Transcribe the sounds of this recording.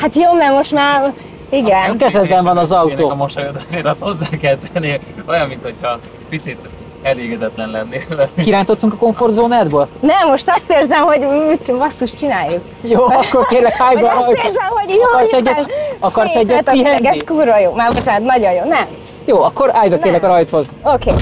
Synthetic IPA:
hat̪joːmɛmoʃt̪maːr | iɡɛnkɛzɛd̪bɛɱvɒnɒzɒwt̪oːmoʃt̪od̪zeːɾɒst̪ho̞zːaːkɛlt̪ɛlneojɒmːint̪ho̞chɒ | pit̪sit̪ | ɛleːɡɛd̪ɛt̪lɛnlɛnːelɛkiɾaːnt̪o̞t̪ːuŋkɒko̞ɱfo̞rd̪zoːnaːd̪bøːlnɛmːoʃt̪ɒst̪eːrzɛmɦo̞ɟvɒsːuʃt͡ʃinaːjuk | joːɒkːo̞rkeːrlɛkaːjbɒɾɒjt̪zmokɒrsɛːɒkɒrsɛɟøt̪iɛɡɛskuːrvɒjoːmaːbot͡ʃaːnɔt̪nɒɟojjoːnɛm | joːɒkːo̞ɾaːjbɒkeːrlɛkɒɾɒjt̪ho̞zokeː

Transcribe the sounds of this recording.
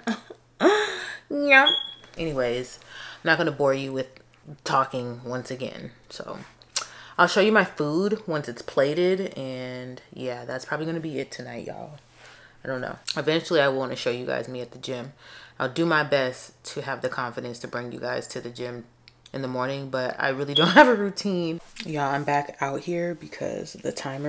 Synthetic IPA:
jɛʔɛñiweɪz̥aaɪ̃mnɨt̚ɡ̥ʌnəbɔɹjɨwɪð̥ | tʰɔkɪ̃ŋwʌ̃nsɨɡɛ̰̃nso̰ʊ | aɪlˠʃoʊjɨmaɪfud̚wʌ̃nsɨtspʰl̥eɪɾɪɾɨ̃njæðætspʰɹ̥ɑbliɡʌnɨbiɪtʰɨnaɪʔɔ̰lˠ | aɪdõʊ̃nːo̰ʊɨvɛ̃nt͡ʃl̩ˠiaɪw̃nɨʃoʊjɨɡa̰ɪzmiɨt̪̚ðɨd͡ʒɪ̃maɪlˠdɨmaɪbɛstʰɨːvðɨkʰɑ̃ɱfɨɾɨ̃nstʰɨbɹɪ̃ŋjɨ̰ɡaɪz̥tʰɨðɨd͡ʒɪ̃m | ɨ̃nðəmɔɹnɪ̃ŋbʌɾa̰ɪɹɪlˠidõʊ̃nhævɨɹʉtʰĩnjæãɪ̃mbækaʊt̚hiɹbɨkʰʌ̰zðɨ̰tʰãɪ̃m

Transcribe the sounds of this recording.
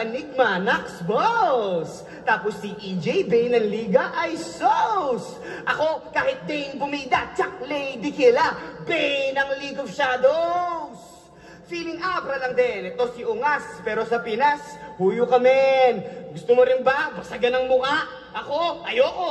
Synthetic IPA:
pɐnɪɡ̚maːnɐksbos | t̪aːposːiʔid͡ʒɛjbɛjnɐŋliːɡɐʔɐjsows | ʔɐko̞kaːhɪt̪̚d̪ɛŋbʊmiːd̪aʔt͡ʃak̚lɛjd̪ɪkɪlabɛjnɐŋlikovʃaːd̪os | fiːlɪŋʔabɾɐlɐŋd̪ɛnɛt̪o̞siʔʊŋaspɛːɾo̞sɐpinaspuːjʊkɐmɛnɡʊst̪ʊmoɾɪnbɐbɐsɐɡɐnɐŋmʊkaʔ | ʔɐko̞ʔɐjoko

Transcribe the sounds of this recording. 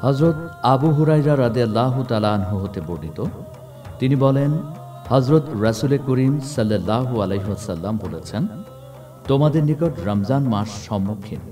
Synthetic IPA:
hʌzɾot̪abuɦuɾajɾaɾʌd̪ijɐlːaɦut̪alaːnɦoɦot̪eboɖit̪o | t̪inibɔlen | hʌzɾot̪ɾɐsulekuɾimsɐlːɐlːaɦuɐlejɦiwəsɐlːambolet͡sʰen | t̪omad̪eɾnikɔʈɾʌmzanmaʃːɔmːukʰːin

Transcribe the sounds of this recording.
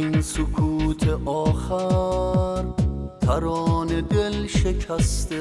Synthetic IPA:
insokʰuːt̪ʰeʔɒːxæ | ɾt̪ʰæɾɒːne̞d̪e̞lʃekʰæst̪e

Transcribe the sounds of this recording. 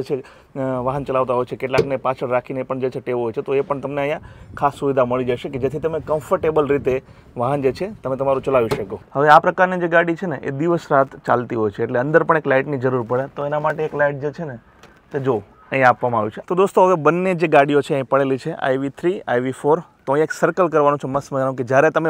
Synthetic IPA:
d͡ʒet͡ʃʰe | ʋaɦənt͡ʃəlaʋt̪aɦojt͡ʃʰekeʈlaknepat͡ʃʰəɽɾakʰinepəɳd͡ʒet͡ʃʰeʈeʋɦojt͡ʃʰet̪oepəɳt̪əmneəɦjãkʰasːuʋid̪ʱaməɭid͡ʒaʃeked͡ʒet̪ʰit̪əmekəmfəɾʈebəlɾit̪e | ʋaɦənd͡ʒet͡ʃʰet̪əmẽt̪əmaɾũt͡ʃəlaʋiʃəkohəʋeapɾəkaɾnid͡ʒeɡaɽit͡ʃʰeneʔḛd̪iʋəsɾat̪t͡ʃa̰lt̪iɦojt͡ʃʰeːʈleə̃nd̪əɾpəɳ̃eklaiʈnid͡ʒəɾuɾpəɭet̪oenamaʈeːklaiʈ̚d͡ʒet͡ʃʰene | t̪ed͡ʒo | ə̃ɦjapʋamãaʋit͡ʃʰet̪od̪ost̪oɦəʋebənːed͡ʒeɡaɽijot͡ʃʰeəɦĩpəɭelit͡ʃʰeʔa̰jʋit̪ʰɾia̰jʋifoɾt̪õj̃eksəɾkəlkəɾʋanũt͡ʃʰeməsməañũked͡ʒjaɾet̪əme

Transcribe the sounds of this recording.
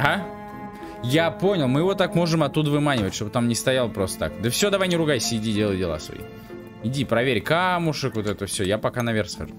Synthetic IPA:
ɦa | japo̞nʲɪlˠmɨjɪvo̞t̪akmo̞ʐɨmɐt̪ːud̪əvɨmanʲɪvətʲʂt̪o̞bt̪amnʲɪst̪ɐjalˠəpɾo̞st̪ə̥t̪a̰kd̪əfsʲo̞d̪ɐvajnʲɪɾʊɡajsʲəɪdʲidʲelˠəjdʲɪlˠa̰svɐ̰ḭ | ɪdʲipɾɐvʲeɾʲkamʊʂɨkvot̪ɛt̪əfsʲojapɐkanɐvʲerxskɐ̰ʐu

